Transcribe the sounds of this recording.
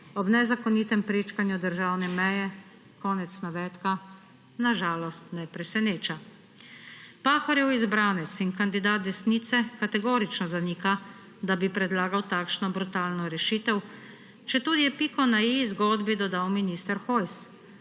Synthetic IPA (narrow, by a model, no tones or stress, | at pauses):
ɔbnɛzakɔniːt̪ɛmpɾeːt͡ʃkanjud̪əɾʒawnɛmɛjɛ | kɔːnɛt̪snaʋɛːt̪ka | naʒaːlɔst̪nɛpɾɛsɛneːt͡ʃa | paːxɔɾjɛwizbɾaːnɛt̪sinkand̪id̪aːt̪̚d̪ɛsnit̪sɛkat̪ɛɡoːɾit͡ʃnɔzaniːka | d̪abipɾɛd̪laːɡawt̪aːkʃnɔbɾut̪aːlnɔɾɛʃit̪ɛw | t͡ʃɛt̪uːd̪ijɛpiːkɔnajizɡɔːd̪bid̪ɔd̪awminiːst̪ɛɾxoːjs